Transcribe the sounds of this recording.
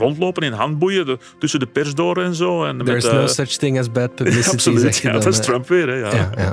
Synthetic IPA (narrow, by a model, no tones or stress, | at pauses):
rɔntloːpənɪnɦant̚bujə | tʏsəndəpɛrs̬doːɾəɛnzoːɛnmdɛɹɪzznoʊsʌt͡ʃθɪ̃ŋəzbɛt̚pʰəbllɪsɪsolɛɛstrəmpʋɪəɾɛjajaja̰